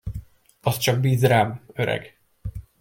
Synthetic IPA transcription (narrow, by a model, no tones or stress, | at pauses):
ɒst͡ʃɒɡ̚biːzraːmøɾɛ̰ɡ